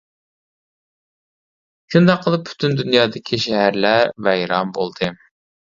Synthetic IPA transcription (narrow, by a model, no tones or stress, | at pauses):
ʃund̪ɑqʰːəlˠɨp̚pʰːy̥t̪ʰynd̪ynjɑːd̪ɪkʲʰiʃæɦæɾlævɛjɾɑmbolˠd̪̥ɨ